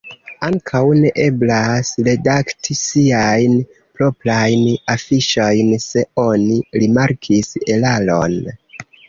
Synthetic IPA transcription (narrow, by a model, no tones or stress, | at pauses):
aŋkʰawne̞ʔe̞blasɾe̞daktʰisiajn | pɾo̞plajnafiʃo̞jnse̞o̞niɾimaɾkʰise̞lalo̞̰n